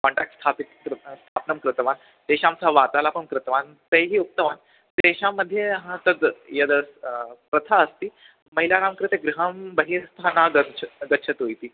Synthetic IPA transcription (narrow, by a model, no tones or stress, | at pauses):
kɔ̃ɳʈak̚ʈst̪ʰapikːɾst̪ʰapnəmkɾɪt̪ʋan | t̪eɕãmt͡saʋat̪alapəɳkɾɪt̪ʋan | t̪əjɦiːuk̚t̪əʋan | t̪eɕamːəd̪ʱːjeɦãt̪əd̪jəd̪əspɾət̪ʰaəst̪iː | məɦilaɾamkɾet̪eɡɾiɦəmbəɦist̪ʰanaɡətɡət̪ːɕʰət̪ɦojt̪iː